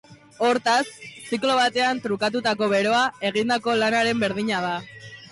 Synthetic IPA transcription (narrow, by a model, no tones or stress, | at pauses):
o̞ɾt̪assiklo̞β̞at̪e̞ant̪ɾukat̪̬ut̪ako̞βe̞ɾo̞ae̞ɣ̞ind̪ako̞lanaɾe̞mbe̞ɾðiɲað̞a